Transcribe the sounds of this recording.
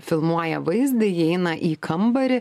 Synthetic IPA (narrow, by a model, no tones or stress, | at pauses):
fʲɪlˠmuɔjɛʋɐɪzʲd̪ʲɪjɛɪnɐʔiːkʰɐmbɐɾʲɪ